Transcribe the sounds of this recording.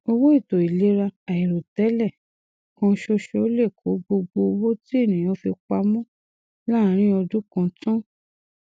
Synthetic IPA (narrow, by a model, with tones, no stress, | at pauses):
o˧wo˦i˦˨to˨i˨le˨˦ɾa˧a˨i˨ɾo˨tɛ˨˦lɛ˦˨ | kɔ̃˧˦ʃo˧ʃe˧o˦le˦˨kʰo˨˦ɡ͡bo˧ɡ͡bo˧wo˦ti˦e˦˨nĩ˨j̃ɔ̃˨˦fi˧k͡pa˧mɔ̃˦ | la˦˨˦ɾ̃ĩ˦ɔ˧du˦kã˧tɔ̃˦